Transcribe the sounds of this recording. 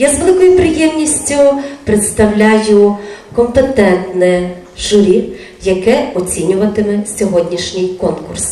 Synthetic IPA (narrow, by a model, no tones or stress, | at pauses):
jazʋelˠɪkɔjʊpɾɪjɛmnʲisʲtʲʊpɾet̪st̪ɐwlʲajʊkɔmpet̪ɛnt̪nɛ | ʒʊɾʲi | jɐkɛɔt͡sʲinʲʊʋɐt̪ɪmɛsʲɔɦɔdʲnʲiʃnʲɪjkɔnkʊ̰rs